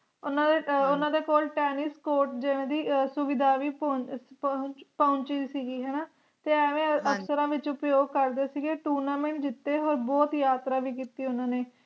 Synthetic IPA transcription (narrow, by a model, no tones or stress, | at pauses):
ʊnãːd̪eʊnãːd̪eːkoːlʈɛːnɪskoːɾʈd͡ʒeʋẽːd̪iːsʊʋɪd̪aːʋiːpː | t͡ʃpaːʊɲt͡ʃid͡ʒsiːɡiːɦɛːnaː | t̪eːɛːʋẽːəksəɾãːʋɪt͡ʃʊpəjoːɡ̚kəɾd̪eːsiːɡeːʈuːɾnaːmẽːɳʈd͡ʒɪt̪ːeːɦoːɾbɔːt̪jaːt̪ɾaːʋiːk̬iːt̪iːʊnãːneː